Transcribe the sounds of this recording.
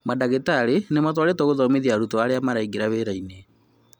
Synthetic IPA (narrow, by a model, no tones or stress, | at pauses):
madaɣetaɾenematwaɾetɔɣoðɔmeðiaɾutɔaɾeamaɾaiɡeɾaβeɾaine